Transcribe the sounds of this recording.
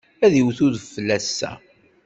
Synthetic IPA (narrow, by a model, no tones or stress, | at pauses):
æðiwθuðfːəlːæsːæ̰